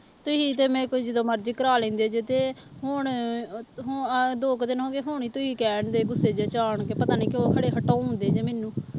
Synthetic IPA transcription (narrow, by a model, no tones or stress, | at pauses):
t̪ʊɦiːt̪eːmɛ̃ːkːd͡ʒɪd̪oːməɾd͡ʒikəɾaːlɛ̃ːnd̪eːd͡ʒeːt̪eːɦʊɳ | ɦd̪oːkd̪ɪnɦõːɡeːɦʊɳ̃iːt̪ʊɦiːkɛːɳd̪eːɡʊsːeːd͡ʒeːt͡ʃaːɳkeːpət̪aːniːkɪoːkʰəɽeːɦəʈːãːõːnd̪eːd͡ʒeːmeːnũː